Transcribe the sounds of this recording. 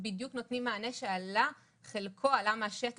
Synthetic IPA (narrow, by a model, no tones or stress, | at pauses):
bidjuknot̪nimːaːneʃeala | χelkʰo̞alamaʃet